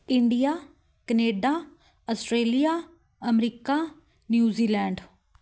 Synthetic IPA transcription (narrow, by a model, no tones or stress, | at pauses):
ɪɳɖijaː | kəneːɖaː | ɔsʈɾeːlijaː | əmɾiːkaː | njuːziːlɛ̃ːɳɖ